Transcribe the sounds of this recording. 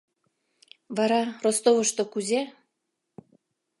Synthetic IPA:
βɑɾɑrost̪oβəʃt̪okuze

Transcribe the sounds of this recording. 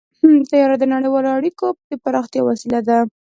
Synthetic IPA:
ht̪ajɑɾad̪ənaɽejwɑloaɽikopəd̪epaɾɑxt̪jɑwasilad̪a

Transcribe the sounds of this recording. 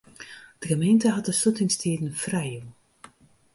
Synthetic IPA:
d̥əɣəmejntəɦɑt̚dəsutɪŋstʰiːdən̩frɛju

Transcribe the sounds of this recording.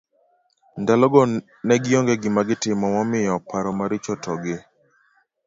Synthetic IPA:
ndalɔɡɔ | nɛɡɪjɔŋɡɛɡɪmaɡɪtɪmɔmɔmɪjɔpaɾɔmaɾɪt͡ʃɔtʰɔɡɪ

